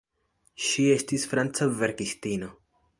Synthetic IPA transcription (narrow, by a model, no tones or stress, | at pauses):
ʃie̞stisfɾant͡save̞ɾkistino̞